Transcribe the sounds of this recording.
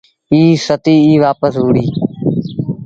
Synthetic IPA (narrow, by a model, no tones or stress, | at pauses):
iːsət̪iːiːʋaːpəsɦuːɽiː